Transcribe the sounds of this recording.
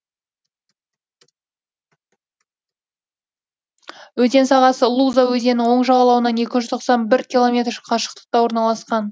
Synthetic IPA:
wɵt̪e̞nsɑʁɑsəlˠuzawɵze̞nɪŋwo̞ɴʒɑʁɑlˠɑwənɑne̞kʲɪʒʏzt̪ʰo̞qsɑnbɪɾkʲilˠo̞mʲe̞t̪rqʰɑʃə̥q̚t̪ə̥q̚t̪ɑwo̞ɾnɑlˠɑsqɑn

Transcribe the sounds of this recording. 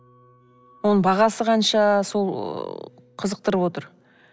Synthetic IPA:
wo̞nəɴbɑʁɑsəqʰɑnʃɑso̞lˠ | qʰəzəq̚t̪əɾəpwo̞t̪əɾ

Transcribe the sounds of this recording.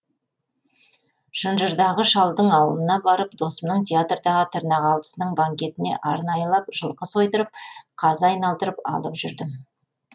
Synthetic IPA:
ʃənʒəɾd̪ɑʁəʃɑlˠd̪əɴɑwəlˠənɑbɑɾəpd̪o̞səmnəɴt̪ʰʲeat̪rd̪ɑʁət̪ʰəɾnɑʁɑlˠd̪ə̥sənəɴbaŋkʲe̞t̪ɪne̞̰ʔɑɾnɑjəlˠɑp̚ʒ̥əlˠqəso̞jt̪əɾəp̚qʰɑzɑjnɑlˠd̪əɾəpɑ̰lˠəpʒʏɾd̪ɪm

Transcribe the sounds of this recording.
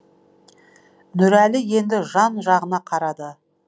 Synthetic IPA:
nɵɾælɪje̞nd̪ɪʒɑnʒɑʁənɑqʰɑɾɑd̪ə

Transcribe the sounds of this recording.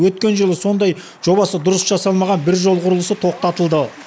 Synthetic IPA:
wɵt̪̚kʲe̞nʒəlˠəso̞nd̪ɑj | ʒo̞βɑsəd̪ʊɾəsʒɑsɑlˠmɑʁɑnbɪɾʒo̞lˠʁʊɾəlˠəsət̪ʰo̞q̚t̪ɑt̪əlˠd̪ə

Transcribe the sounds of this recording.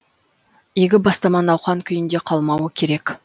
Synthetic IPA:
eɡʲɪbɑst̪ɑmɑnɑwχɑŋkʲʰʏjɪnd̪e̞qʰɑlˠmɑwəkʲʰe̞ɾe̞k

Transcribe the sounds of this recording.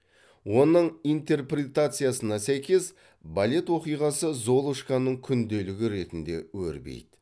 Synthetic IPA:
wo̞nəɴijnt̪e̞rprʲe̞t̪at̪sɨjasənɑsæjkʲe̞s | balʲe̞t̪wo̞qijʁɑsəzo̞lˠuʃkanːəɴkʲʰʏnd̪e̞lɪɡʲɪɾe̞t̪ɪnd̪e̞wɵ̰ɾbḛjd̪̥ɪ

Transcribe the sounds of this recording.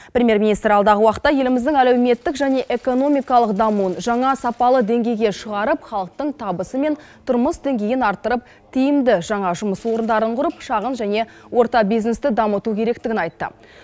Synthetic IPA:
pɾʲemʲije̞ɾminijst̪ɾɑlˠd̪ɑʁəwɑqə̥t̪ːɑje̞lɪmɪzd̪ɪŋælewme̞t̪ːɪkʒæne̞ʔe̞ko̞no̞mijkɑlˠəqd̪ɑmuənʒɑɴɑsɑpɑlˠəd̪e̞ŋɡʲe̞jɡʲe̞ʃəʁɑɾəpχɑlˠəq̚t̪əɴt̪ʰɑbəsəme̞n | t̪ʰʊɾməsd̪e̞ŋɡʲe̞jɪnɑɾt̪ːəɾəp̚ | t̪ʰijɪmd̪ɪʒɑɴɑʒʊməswo̞ɾənd̪ɑɾəɴqʰʊɾəpʃɑʁənʒæne̞ | wo̞ɾt̪ɑbijznest̪ɪd̪ɑmət̪ukʲʰe̞ɾe̞k̚t̪ɪɡʲɪnɑjt̪ːə̰

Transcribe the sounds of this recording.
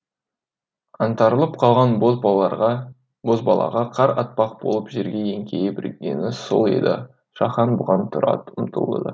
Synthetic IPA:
ɑnt̪ɑɾəlˠəp̚qʰɑlˠʁɑn | bo̞zbɑlˠɑ̰ʁɑqʰɑɾɑt̪̚pɑq̚b̥olˠəpʒeɾɡʲejeŋkʲʰejɪbɪɾɡʲe̞̰nɪsolˠḛd̪ɪ̰ | ʃɑχɑnbʊʁɑnt̪ʰʊɾɑ̰t̪ʊmt̪ʰə̰lˠə̰d̪ə̰

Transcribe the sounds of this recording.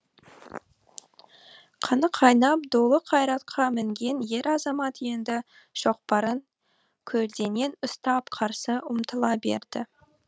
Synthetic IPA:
qʰənəqʰɑjnɑpd̪olˠəqʰɑjɾɑt̪̚qʰɑmɪŋɡʲe̞nje̞ɾɑzɑmɑt̪je̞nd̪ɪ | ʒ̥o̞q̚pɑɾəŋ | kʲʰɵld̪e̞ne̞nʊst̪ɑpqʰɑɾsəʊmt̪əlˠɑbe̞̰ɾd̪̥ɪ

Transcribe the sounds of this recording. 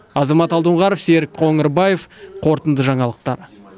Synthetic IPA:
ɑzɑmɑt̪ɑlˠd̪əɴʁɑɾəfseɾɪkqʰo̞ŋəɾbɑjefqʰo̞ɾt̪ənd̪əʒɑɴɑlˠəq̚t̪ɑɾ

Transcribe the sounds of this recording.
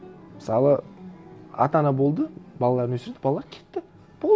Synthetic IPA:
mɪsɑlˠə | ɑ̰t̪ɑnɑbo̞lˠd̪əbɑlˠɑlˠɑɾnwɵsɪɾed̪ɪ̥bɑlˠɑlːˠɑɾkʲʰet̪ːɪ | b̥o

